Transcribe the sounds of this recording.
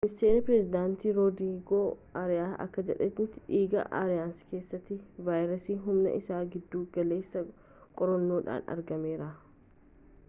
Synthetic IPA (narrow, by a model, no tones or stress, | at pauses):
mɪst̪eːnɐpɾɛzɪd̪aːnt̪iːɾod̪iːɡoːʔaɾɪjaːɐ̰kːɐd͡ʒɛᶑɛt̪nɪt̪ːɪᶑiːɡɐ̰ʔa̰ːɾɪjaːnske̞ːsːɐt̪ːɪvaːjɾɐsiːɦʊmnɐ̰ʔɪsaːɡɪd̪ːuːɡɐle̞ːsːɐ | kʼɔɾɔnːo̞ːᶑa̰ːnɐ̰ɾɡɐme̞ːɾɐ